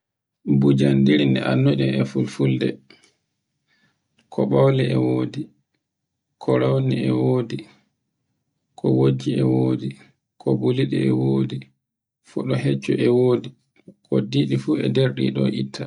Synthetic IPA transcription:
bud͡ʒandiɾindɛʔanːoɗɔmɛfulfuldɛ | kʰɔɓawlɛɛwoːdi | kʰɔɾawniɛwoːdi | kʰɔwod͡ʒːiɛwoːdi | kʰɔbuliɗḭɛwoːdi | fuɗɔhɛt͡ʃːɔʔɛwoːdi | kʰɔdiːɗifuɛdeɾɗḭɗɔʔitʰːa

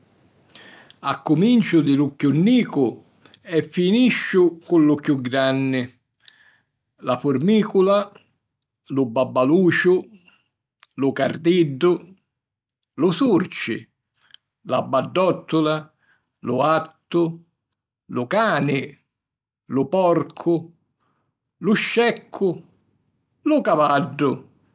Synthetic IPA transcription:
akːʊmint͡ʃʊd̪ɪlʊkjʊnːiːkʊ | ɛfːiniʃːʊkʊlːʊkjuɡɾanːɪ | lafʊrmiːkʊla | lʊbabːaluːt͡ʃʊ | lʊkard̪iɖːʊ | lʊsurt͡ʃɪ̰ | labːaɖːɔt̪ʰːʊla | lʊat̪ːʊ | lʊkaːnɪ | lʊpɔrkʰʊ | lʊʃːɛkʰːʊ | lʊkavaɖːʊ

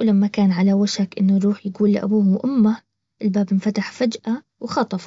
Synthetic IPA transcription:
wlamːakaːnʕalawaʃakʔɪnːʊɾuːħjaɡuːlːʔa̰buːhʔʊmːa | ʔɪlbaːbɪnfat̪aħfad͡ʒʔa | wxɑt̪ˤɑfɑ

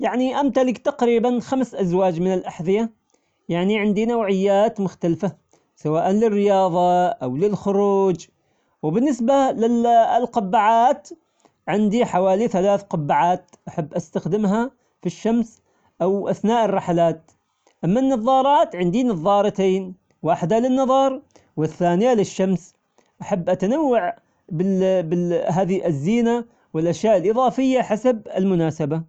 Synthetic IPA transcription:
jaʕniʔamt̪alɪkt̪ɑqɾiːbanxamsʔazwaːd͡ʒmɪnɪlʔaħðɪja | jaʕniʕɪnd̪inawʕɪjːaːt̪mʊxt̪alfa | sawaːʔanlɪrːɪjɑːðˤɑʔawlɪlxʊɾuːd͡ʒ | wɪbɪnːɪsbalɪlqʊbːaʕaːt̪ | ʕɪnd̪iħawaːliθalaːθqʊbːaʕaːt̪ | ʔaħabːʔast̪axd̪ɪmɦa | fiʃːams | ʔawʔaθnaːʔɑrˤːɑħalaːt̪̚ | ʔamːanːɑðˤɑːɾˤɑːt̪ʕɪnd̪inɑðˤːɑːɾˤɑt̪eːn | waːħɪd̪alɪnːɑðˤɑːɾˤ | wɪθːaːnɪjalɪʃːams | ʔaħabːʔat̪anawːaʕ | bɪbɪɦaːðiʔɪzːiːna | wɪlʔaʃjaːʔɪlʔɨðˤɑːfɪjːaħasabɪlmʊnaːsaba

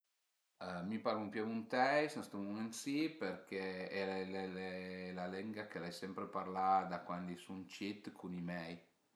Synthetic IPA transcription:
mipaɾlumpuavunt̪ɛjsnɛst̪umumɛnt̪siperkeɛɛlɛlelalɛŋɡakelajsɛmpɾeparlad̪akwand̪isunt͡ʃit̪kʰunimɛj

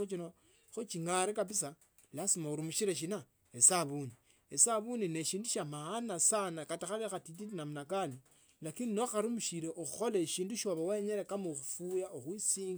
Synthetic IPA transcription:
ut͡ʃino | xot͡ʃiŋaɾikapisa | lasimauɾimuʃiɾeʃ̬ina | esaβuni | esaβunineʃiːnduʃamaanasanakataxaβexatit̬itinamunakani | lakininoxaɾumuʃiɾeʔoxuxolaʃiːnduʃoβaweɲeɾekamuxufujaoxwisiːŋɡ

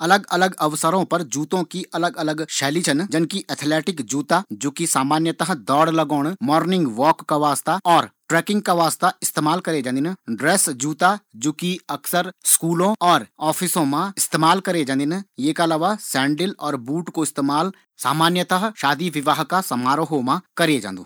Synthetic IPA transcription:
ɐləɡɐləɡɐʋsəɾõpɐɾd͡ʒuːt̪õkiʔɐləɡɐləɡʃɛːlit͡ʃʰənd͡ʒɪnkiʔɛt̪ʰlɛːʈɪkd͡ʒuːt̪ad͡ʒoːkisaːmaːnjət̪əɦd̪ɔːɽləɡoːɽ̃mɔːɾnɪ̃ŋɡʋɔːkːaʋaːst̪aɔːɾʈɾɛːkɪ̃ŋɡ̚kaʋaːst̪aɪst̪eːmaːlkɐɾed͡ʒãːnd̪ɪnɖɾeːsd͡ʒuːt̪ad͡ʒoːkiɐksəɾskuːlõɔːɾɔːpʰɪsõmãɪst̪eːmaːlkɐɾed͡ʒãːnd̪ɪnjeːkaəlaːʋasɛ̃ːɳɖɪlɔːɾbuːʈkoɪst̪eːmaːl | sa̰ːmaːnjət̪əɦʃaːd̪iʋɪʋaːɦkasɐmaːɾɦomãkɐɾed͡ʒã̰ːnd̪o̰ː

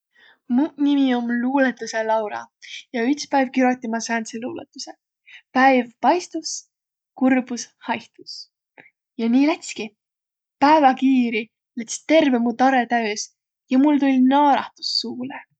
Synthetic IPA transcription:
munimiomluːlet̪ːˑuse̞lɑwɾɑ̰jɑyt̪spæjv̥̚kyɾot̪ʲːˑimɑsænt̪seluːlḛt̪ːˑuse | pæjvpɑjst̪us | kurb̥ushɑjht̪us | jɑniːlæt̪ʲski | pæevɑkiːɾi | let̪st̪e̞rvemut̪ɑɾe̞t̪æøs | jɑmult̪ulʲnɑːɾɑ̰ht̪u̥sːuːle

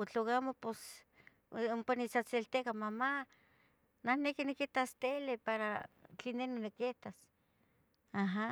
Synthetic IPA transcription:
ot͡ɬoɣamopos | umpanit͡sat͡selt̪ekamama | nahnekiniket̪ast̪elepaɾat͡ɬinenonikːet̪as | aɦa

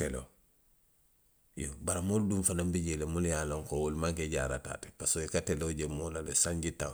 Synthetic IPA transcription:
telo̰ | jobaɾamoldunfanambiɟelemuljaloŋkowolmaŋkeɟa̰ːɾa̰ta̰ːte̥pasojikateloɟemolalesaɲɟitaw

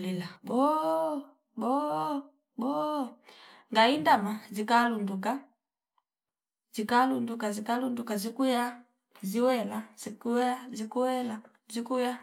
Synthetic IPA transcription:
lilabɔ | bɔ | bɔ | ŋɡaindamazikalunduka | zikalundukazikalundukazikuja | ziwɛlaz̥ikuazikuwɛla | zikuja

